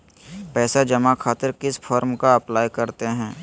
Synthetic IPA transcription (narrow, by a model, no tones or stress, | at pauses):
pɛːsad͡ʒɐmakʰaːt̪ɪɾkɪsfʰɔːɾmkaɐplaːjkɐɾt̪eɦɛ̃ː